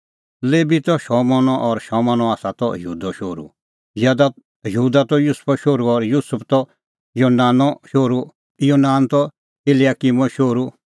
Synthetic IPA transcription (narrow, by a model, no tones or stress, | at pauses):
leːbit̪ɔʃɔmɔnɔʔɔɾʃɔːmanɔaːsat̪ɔ̰jɦuːd̪ɔʃoːɾṵ | jɛːd̪a | jɦuːd̪at̪ɔjuspʰɔʃoːɾuɔɾjusʊpʰt̪ɔ | joːnaːnɔʃoːɾu | joːnaːnt̪ɔ | elijaːkimɔ̃ʃoːɾu